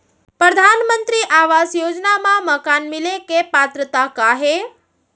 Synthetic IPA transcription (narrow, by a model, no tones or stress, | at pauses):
pɾəd̪ʱanmənt̪ɾiʔaʋasjoːd͡ʒnamãməkanmɪlekepat̪ɾət̪akaɦe